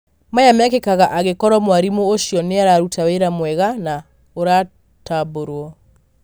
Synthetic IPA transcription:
majamakekaɣaʔaɣekɔɾɔmwaɾimooʃjɔneaɾaɾutʰaweɾamwɛɣana | oɾa | taboɾwɔ

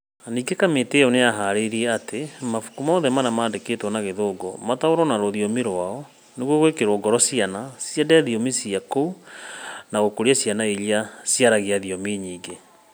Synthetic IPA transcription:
niːɡekameteɔneaɦaɾeɾiɛatemafu̥kumɔːðɛmanamaːndeketwɔnaɣeðoːɡɔ̰mataoɾɔnaɾoðiomiɾwaɔ | neɣwɣwekeɾoɡɔɾɔsianasiadɛðiomisiakou | naɣokoɾiasijanaeliasiaɾaɣiaðiɔmiɲiːŋɡe

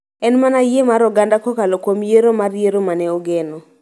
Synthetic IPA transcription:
ɛnmanajemaɾɔɡandakɔkalokwomjeɾomarjeɾomanɛoɡenɔ

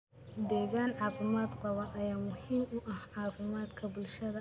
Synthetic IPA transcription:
d̪ɛːɣaːnʕɑːfɪmaːd̪qɑβɐnʔɐjaːmʊhiːmʊʔɐhʕɑːfɪmaːd̪kʰɐbʊlʃɐðɐ

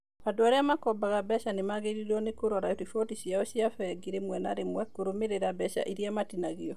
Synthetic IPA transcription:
padoaɾeamakɔbaɣabɛʃanemaɣeɾiɾɔnekoɾɔɾaotifɔtisiaɔɕiafɛɛɡiɾemwɛnaɾemwɛkoɾomeɾeɾabɛʃa̰ʔiɾiamatinaɣiɔ

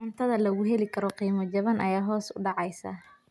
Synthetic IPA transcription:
ʊnt̪ʰɐðɐlɐɣʊɦɛlɪkʰɐɾɔqiːmɔt͡ʃɐβɐnʔɐjaːɦɔːsʊ̰ɖɑʕɑjsɐ̰

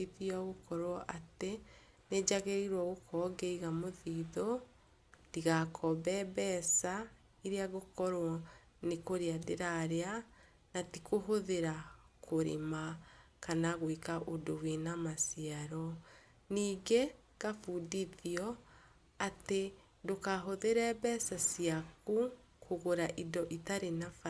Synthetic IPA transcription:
iðiɔɣokɔɾwɔʔate | ned͡ʑaɣeɾiɾwɔɣokʰɔɡeiɣamoðiːðɔ | tiɣakʰɔbɛbɛsa | iɾeaɣokɔɾwɔ | nekoɾiadeɾaɾea | natikoɦoðeɾakʰoɾḛma | kanaɣwikaʔodowenamasiaɾɔ | niːɡe | ɡafudiðiɔ | ate | dokaɦoðeɾɛbɛsasiaku | kʰoɣoɾaʔidɔʔitaɾenafa

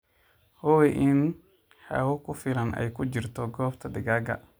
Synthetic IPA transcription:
hɔwɛʔɪn | ha̰wɔkʊfɪlɐnʔɛ̰jkʰʊd͡ʒɪrt̪ʰɔɡɔːbt̪ʰɐdɪɡaɡɐ̰

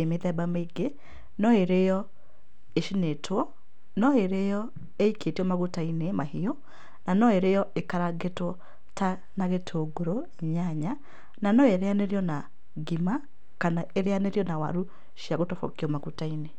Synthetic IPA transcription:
emeðɛbameiɡe | nɔeɾejɔ | eʃinetʰwɔ | nɔeɾejɔ | eiketiɔmaɣutainemaɦiɔ | nanɔeɾejɔekaɾaɡetwɔ | ta | naɣetʰoːɡoɾoeɲaɲa | nanɔeɾeaneɾiɔna | ɡima | kanaeɾeaneɾiɔnawa̰ɾu | ʃiaɣotɔfɔ̰kiɔmaɣutaine

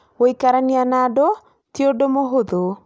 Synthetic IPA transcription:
woikaɾanianado | tiodomoɦoðo

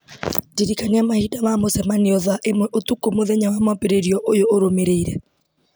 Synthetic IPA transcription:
diɾikaneamahidamamosɛmaniɔðaʔemwɛʔotukomoðɛɲawamapeɾeɾiɔʔojoʔoɾomeɾeiɾɛ

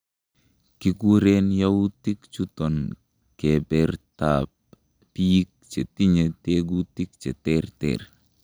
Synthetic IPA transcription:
kikuɾenjawutikt͡ʃutɔn | kebɛɾtap̚ | piik̚t͡ʃetiɲeteɡutik̚t͡ʃɛtɛɾtɛ̰ɾ

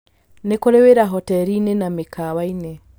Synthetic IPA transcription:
nekoɾeweɾaɦɔtɛɾinenamekʰawaine

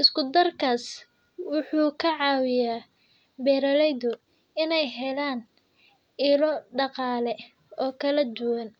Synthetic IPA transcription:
ʔɪskʊd̪ɐrkʰaːs | wʊħuːkʰɐʕɑːwɪjaː | bɛːɾɐlɛjðʊ | ɪnɛjɦɛlaːn | ʔɪlɔɖɑqɑːlɛ | ɔːkʰɐlɐd̪ʊwɐn

